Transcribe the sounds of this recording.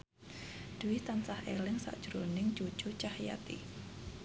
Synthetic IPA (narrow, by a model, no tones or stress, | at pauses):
d̪̥uwɪt̪ansahʔḛlɪŋsa̰ʔd̥ʒ̥ɾonɪŋt͡ʃu̥t͡ʃut͡ʃahja̰t̪ḭ